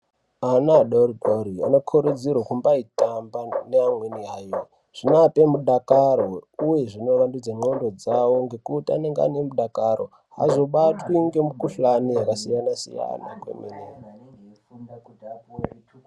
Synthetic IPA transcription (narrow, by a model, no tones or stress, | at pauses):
anaɗoriboɾia̰nokʰuɾud͡zirwakumbaitambaneamweniɦairi | ʐ̥inape̞muɗakaɾo̞uje̞ʐino̞ʋandud͡zamo̞ndo̞d͡zawo̞ŋɡe̞kutia̰ne̞ŋɡa̰ne̞muɗakaro̞̰ | ɦa̰zo̞ɓatwiŋɡe̞mukuɬanijakasijanasḭja̰na̰kwḛmḛne